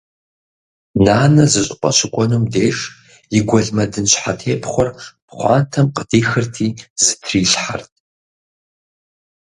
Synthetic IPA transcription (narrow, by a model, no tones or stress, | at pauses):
naːnɐzɨɕʼɪqʷʼɔ̰ɕʷʰɪkʷʼɔnumdeːʂ | jɪɡʷɔɮmɐdɨnɕʷħa̰tʰeːpʰχʷɔrpχʷɑ̰ːntʰɐmqʼədʰiːxɨrtʰiːz̥ɨtʰriːɬħartʼ